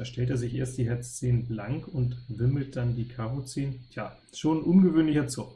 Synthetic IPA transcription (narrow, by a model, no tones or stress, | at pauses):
aɐʃtʰɛlteːɐzɪçʔḛːɐstd̥iːɦɛɐt͡st͡seːnəblaŋkʊntvɪml̩t̚d̥andiːkʰaʁot͡seːnətʰjaː | ʃoːnʔʊnɡəvøːnlɪçɐt͡sɔk